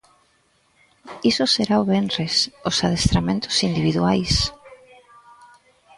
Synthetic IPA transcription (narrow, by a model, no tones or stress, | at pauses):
isʊseɾaoβenresʊsað̞est̪ɾamẽnt̪ʊ̥sind̪iβiðwajs